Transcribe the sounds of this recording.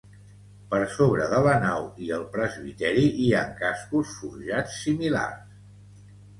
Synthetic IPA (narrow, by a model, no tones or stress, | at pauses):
pəɾsoβ̞ɾəðələnawiəlˠpɾəzβit̪ɛɾiʔiaŋkaskusfuɾʒat͡sːimila̰rs